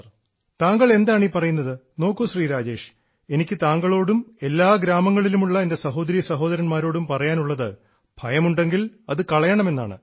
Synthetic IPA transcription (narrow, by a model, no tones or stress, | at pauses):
t̪aːŋɡɐɭe̞nd̪aːɳiːpɐrɐjunːɐðɨno̞ːkːuɕriːɾaːd͡ʑeːʂ | e̞nikʲːɨt̪aːŋɡɐɭo̞ːɽume̞lːaːɡɾaːmɐŋːɐɭilumuɭːɐende̞sɐɦo̞ːd̪ɐɾijɐsɐɦo̞ːd̪ɐɾɐnmaːɾo̞ːɽumpɐrɐjaːnuɭːɐðɨ | bʱɐjɐmuɳɖe̞ŋɡilɐðɨkɐɭɐjɐɳɐme̞nːa̰ːɳɨ̰